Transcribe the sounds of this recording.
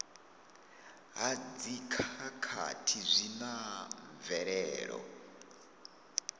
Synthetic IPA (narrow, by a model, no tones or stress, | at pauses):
ɦad͡zikʰakʰa̰tʰizʷinaɱɱvɛɺɛːɺɔ̰